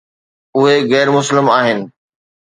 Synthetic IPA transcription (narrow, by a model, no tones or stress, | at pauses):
ʊɦeɣɛːɾmʊslɪmaːɦɪnɪ̆